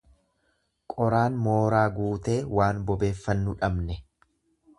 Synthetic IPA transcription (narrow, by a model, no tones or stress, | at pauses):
kʼɔɾaːnmo̞ːɾaːɡuːt̪e̞ːwaːnbɔbe̞ːfːɐnːʊᶑɐbnɛ